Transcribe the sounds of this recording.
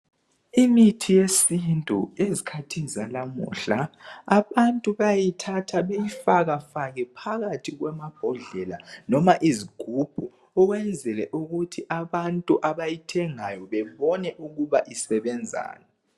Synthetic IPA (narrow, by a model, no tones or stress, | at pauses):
imitʰijesintʼṵezikʰatʰizalamṵːɬaaβantʼuβajajitʰatʰaβejifaɣafaɣɛpʰaɣatʰiɣwamab̥ʱɔɮɛlanɔmaʔiziɡ̥ʱub̥ʱu | ɔɣwɛnd͡zʱɛlɛʔuɣutʰiʔaβantʼuʔaβajitʰɛŋajɔβɛβɔnɛʔuɣuβaʔisɛβɛnd͡zʱa̰ːnɛ